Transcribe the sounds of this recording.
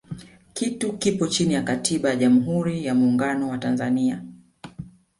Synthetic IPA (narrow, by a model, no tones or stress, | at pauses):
kitukipɔt͡ʃinijakatʰiɓajaʄamuɦuɾijamuːŋɡanɔwatanzania